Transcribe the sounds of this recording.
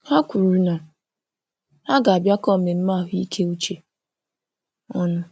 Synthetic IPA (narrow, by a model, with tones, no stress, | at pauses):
ha˦kʷu˨ɾu˨na˨ | a˦ɡa˨a˨bja˦kɔ˦˨me˨m̩˦ma˦˨ɦʊ˦i˦kʰe˦u˦t͡ʃe˨ | ɔ˦nʊ˦